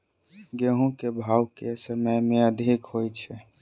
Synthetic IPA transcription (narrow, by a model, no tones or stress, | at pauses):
ɡeɦõkebʱaːwkesəməjmẽəd̪ʱikhojt͡ʃʰɛ